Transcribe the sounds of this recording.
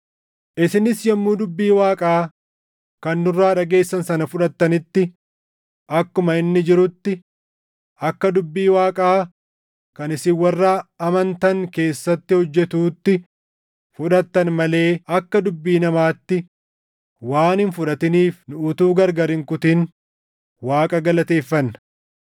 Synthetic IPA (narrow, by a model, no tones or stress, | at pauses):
ʔɪsɪnɪsjɐmːuːd̪ʊbːiːwaːkʼaː | kɐnːʊrːaːᶑɐɡe̞ːsːɐnsɐnɐfʊᶑɐt̪ːɐnɪt̪ːɪ | ʔɐkːʊmɐɪnːɪd͡ʒɪɾʊt̪ːɪ | ʔɐkːɐd̪ʊbːiːwaːkʼaː | kɐnɪsɪwɐrːaːɐmɐnt̪ɐŋke̞ːsːɐt̪ːɪhɔd͡ʒːɛt̪uːt̪ːɪ | fʊᶑɐt̪ːɐnmɐle̞ːɐkːɐd̪ʊbːiːnɐmaːt̪ːɪ | waːnhɪnfʊᶑɐt̪ɪniːfnʊʔʊt̪uːɡɐɾɡɐɾɪŋkʊt̪ɪn | waːkʼɐɡɐlɐt̪e̞ːfːɐnːɐ